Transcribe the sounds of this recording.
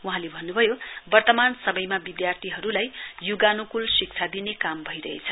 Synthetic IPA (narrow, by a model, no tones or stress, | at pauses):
uɦãlebʱʌnːubʱʌjobʌrt̪ʌmansʌmʌjmabid̪jart̪ʰiɦʌɾulajjuɡanukulsik̚t͡sʰad̪inekambʱʌiɾʌɦḛt͡sʰʌ̥